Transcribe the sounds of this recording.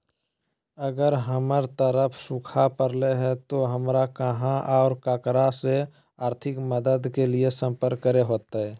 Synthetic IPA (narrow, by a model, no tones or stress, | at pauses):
əɡəɾɦəməɾt̪əɾəpʰsʊkʰapəɾleɦɛt̪oɦəmɾakəɦãʔaʊɾkaːkɾase | aːɾt̪ʰɪkməd̪əd̪keliesə̃mpəɾkːəɾeɦoːt̪aɦɛː